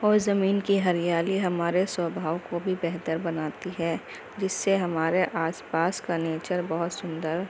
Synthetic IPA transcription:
ɔːɾzɐmiːnkiɦɐɾijaːliɦɐmaːɾeswəbʱaːʋkobʱibɛɦt̪əɾbɐnaːt̪iɦɛː | d͡ʒɪsːeɦɐmaːɾeʔʔaːspaːskaneːt͡ʃəɾbɐɦʊt̪sʊ̃nd̪əɾ

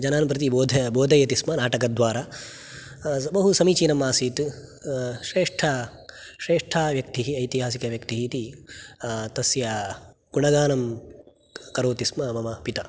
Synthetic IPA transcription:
d͡ʒɐnaːnpɾɐt̪̬iboːd̪ʱɐboːd̪ʱɐjɐt̪ismɐnaːʈɐkɐd̪ʋaːɾaː | bɐɦusɐmiːt͡ʃiːnɐmːaːsiːt̪ | ʃɾeːʂʈʰɐ | ʃɾeːʂʈʰaːʋjɐk̚t̪iɦiɐjt̪iɦaːsikɐʋjɐkt̪iɦit̪i | t̪ɐsja | kuɳɐɡaːnɐm | kɐɾoːt̪ismɐmɐmɐpit̪ɐ

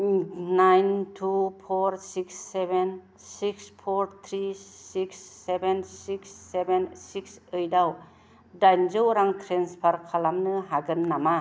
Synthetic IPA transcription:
najntʰupʰoɾsiksːeben | sikspʰoɾt̪ʰɾisiksːebensiksːebensik̚sɯjdaw | dajnd͡ʒowɾaŋtʰɾenspʰaɾkʰalamnɯɦaɡɯnnama

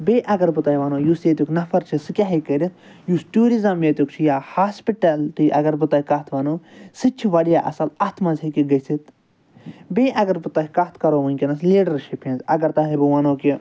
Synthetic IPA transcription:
beːʔɐɡɐɾbɨt̪ɐjʋɐnoːjusjeːt̪ʲuknɐfʰɐɾt͡ʃʰisɨkʲaɦikəɾʲit̪ | jusʈuːɾizɐmjet̪jukt͡ʃʰijaːhaːspiʈɐlt̪ɨʔɐɡɐɾbɨt̪ɐkɐt̪ʰʋɐnoːsɨt͡ʃʰiʋɐɽijaːʔɐ̰sɐlɐt̪ʰmɐzhikiɡɐsit̪ | bʲeʔɐɡɐɾbɨt̪ɐkɐt̪ʰkɐɾoːʋɨnʲkʲinɐsliːɖɐɾʃipʰẽnzɐɡɐɾt̪ɐɦibɨʋɐnoːki

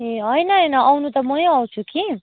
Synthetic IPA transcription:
eʌjnʌʌjnʌawnut̪ʌmʌjʌw̃t͡sʰuki

